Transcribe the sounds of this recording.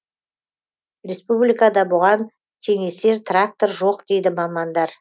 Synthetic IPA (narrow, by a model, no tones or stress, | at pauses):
ɾʲe̞spublijkɑd̪ɑbʊʁɑn | t̪ʲʰe̞ŋe̞se̞ɾt̪rak̚t̪o̞ɾʒo̞qd̪e̞jd̪ɪmɑmɑnd̪ɑɾ